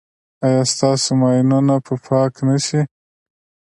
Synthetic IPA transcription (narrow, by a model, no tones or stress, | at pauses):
ajɑst̪ɑsomɑjnunapʰəpʰɑknaʃi